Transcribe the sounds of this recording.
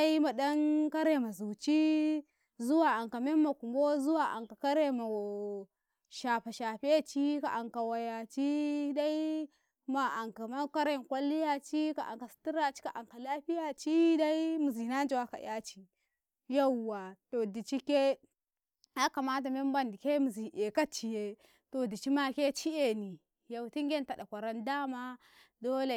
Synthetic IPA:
da˦i˦ma˨ɗa˦nka˦ɾe˨ma˨zu˨t͡ʃi˦ | zu˦wa˨a˨ŋka˨me˦mːa˨ku˨mbo˦zu˦wa˨ʔa̰˨ŋka˨ka˦ɾe˦ma˨ | ʃa˨pa˨ʃa˨ɸi˦a˦t͡ʃi˦ka˨ʔa˨ŋka˨wa˨ja˨t͡ʃi˦da˦i˦ | ma˨a˨ŋka˨ma˦ka˦ɾe˦˨n˨kʷa˦li˦ja˨t͡ʃi˦ka̰˨ʔa̰˨ŋka˨si̥˨˦ti˦ɾa˨t͡ʃi̥˦ka˨ʔa˨ŋka˨la˦ɸi˦ja˨t͡ʃi˦da˦i˦mu˨zi˨na˦n˦d͡ʒi˨wa˦ka̰˨ja˦t͡ʃi˦ | ja˦u˨wːa˨to˨di˨t͡ʃi˦ke˦ | a˦ka˨ma˦t̬a˨me˦m˦ba˦ndi˨ke˦mu˨zi˨ʔe˨ka˦t͡ʃi˨je˦ | to˨di˨t͡ʃi˦ma˦ke˦t͡ʃi˦e˨ni˨ | ja˨u˨ti˦ŋɡʲe˦n˦ta˨da˨kʷa˨ɾa˦nda˦ma˦ | do˦le˨

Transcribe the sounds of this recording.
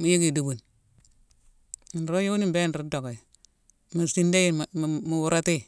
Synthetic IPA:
mu˨ji˦ɡi˨du˨bu˨n | i˨nɾo˦jo˦wu˦ni˦be˦n˨ɾu˦do˨ko˨ | mu˨si˦nde˦ji˦m˨m˨mu˨wu˦ɾa˦ti˦˨

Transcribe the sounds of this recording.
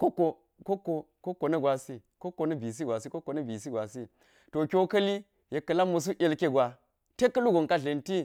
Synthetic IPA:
ko˦kːo˨ | ko˦kːo˨ | ko˦kːo˨nɐ˦ɡwa˨si˦ | ko˦kːo˨nɐ˦bi˨s̬i˦ɡʷa˨si˦ko˦kːo˨nɐ˦bi˨s̬i˦ɡʷa˨si˦ | to˨kʲo˦kɐ˦li˦ | je˨kːɐ˨la˦mːɐ˨s̬u˦ʔe˦˨lkʲe˦ɡʷa˨ | te˦kːɐ˦lu˦ɡo˨ŋka˦ɮe˨nti˦

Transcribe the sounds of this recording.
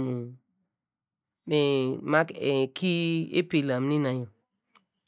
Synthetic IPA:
mu˨ | me˨ma˦kkʰi˦ḛ˦pi˨la˨mnĩ˦na˨jo˨

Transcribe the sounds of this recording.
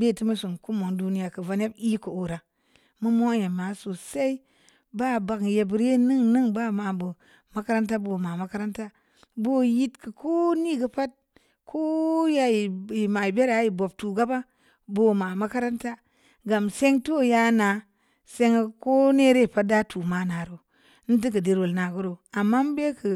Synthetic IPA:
be˦˨ti˦ma˦su˨ŋku˦mo˨ŋdu˦ni˦ja˨kɨ˨va˦ne˦bi˦ko˨o˨ɾa˨ | mu˦mo˦je˨ma˨so˨sa˦i˦ | ba˦ba˨kje˨bɾe˦nɨ˦ŋnɨ˦ŋba˦ma˨bə˨ | ma˦ka˦ɾa˦nta˦bo˨ma˨ma˨˦ka˦ɾa˦nta˦ | bo˦ji˦tkɨ˨kʰo˦ni˦ɡə˨pa˦t̚ | kʰo˦ja˦i˨i˨ma˨i˨be˦ɾa˦ji˨bo˨b̚tu˨ɡa˦ba˦ | bo˨˦ma˨ma˦ka˦ɾa˦nta˦ | ɡa˨mse˦ŋto˦ja˦na˨ | se˦ŋ˦ko˦ne˦ɾe˦˨pa˦t̚da˦tu˨ma˨˦na˨ɾo˨ | n̩˦t̬i˦kɨ˨de˨ɾwo˨lna˨ɡu˦ɾo˨a˨mːa˦m˦be˦kɨ˨

